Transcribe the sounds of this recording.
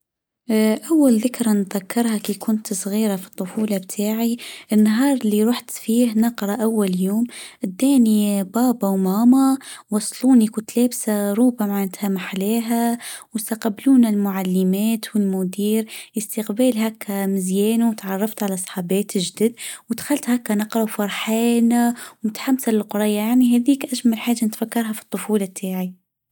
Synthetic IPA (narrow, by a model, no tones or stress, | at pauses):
ʔawːalðɪkɾˤanðakːɑɾˤhakiːkʊnt̪sˤɣiːɾafi̥t̪ˤːʊfuːlɑbt̪ʰaːʕiʔɪnːaɦɑːɾˤɪlːiɾˤʊħt̪fiːhnɑqɾˤɑʔawːaljoːmʔɪd̪ːæːnibɑːbawmaːmawɑsˤluːnikunt̪leːbsaɾˤuːbamaʕɪnt̪hamaħleːɦawɪst̪aqɑbːluːnalmʊʕalːɪmæːt̪wɪlmʊd̪iːɾʔɪst̪ɪqbæːlɦakʰːamɪzjɛːnuwt̪ʕɑrˤːɑft̪ʕalasˤħɑːbeːt̪ɪʒd̪ɪd̪wɪd̪xalt̪hakːanɑqɾˤɑwfɑɾˤħeːnawmʊt̪ħamːsalɪlqʊɾˤɑjːajaʕniɦæːðiːkʔaʒmalħaːʒːanɪt̪fakːɑɾˤɦafi̥t̪ˤːʊfuːlɑt̪ʰːaːʕi